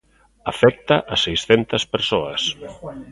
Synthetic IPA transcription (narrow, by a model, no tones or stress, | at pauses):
afɛk̚t̪aʔɐsejsθɛnt̪ɐspeɾsoɐs